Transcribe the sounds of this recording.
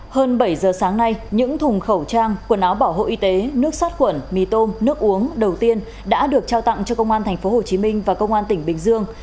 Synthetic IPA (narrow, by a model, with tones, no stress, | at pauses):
həː˧nɓə˧˩jzəː˨˩saː˨˦ŋna˧jɲɨ̰˧˥ŋt̪ʰʊ˨˩ŋ͡mxə˧˩wt͡ɕaː˧ŋku˧˩ənʔaː˨˦wɓaː˧˩who̰˧˨ʔi˧t̪e˨˦nɨ˦˥ək̚saː˦˥t̚xwə˧˩nmi˨˧˩t̪o˧nːɨ˦˥ək̚ʔu˨˦əŋɗə˨˩wt̪i˧ən | ɗa̰ː˧˥ɗɨ˨˩ək̚t͡ɕaː˧wt̪a̰˧˨ŋt͡ɕɔ˧kə˧wŋ͡mʔaː˧nt̪ʰɛ˨˩ŋ̟fo˨˦ɦho˨˩t͡ɕi˨˦mï˧ŋ̟vaː˨˩kə˧wŋ͡mʔaː˧nt̪ï˧˩ŋ̟ɓï˨˩ŋ̟zɨ˧əŋ